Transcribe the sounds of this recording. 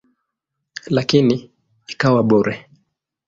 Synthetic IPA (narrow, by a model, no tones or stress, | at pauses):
lakini | ikawaɓɔɾɛ